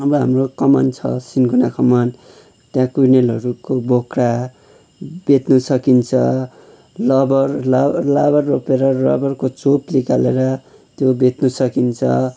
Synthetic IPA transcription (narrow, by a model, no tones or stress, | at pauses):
ɦʌmroɦamrokʌmʌ̰nt͡sʰʌ̰sinɡunakʌmʌn | t̪jãkujnelɦʌɾukobokra | bet̪nʌsʌkint͡sʰʌ | lʌbʌrllabʌrːopeɾʌlʌ̰bʌrkot͡soplikaleɾʌ | t̪jobet̪nʌsʌkint͡sʰʌ̰